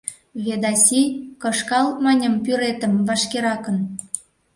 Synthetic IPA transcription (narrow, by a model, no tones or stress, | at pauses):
βed̪ɑsʲikɤ̆ʃkɑlmænʲə̆mpyɾet̪ə̆mvɑʃkeɾɑkə̆n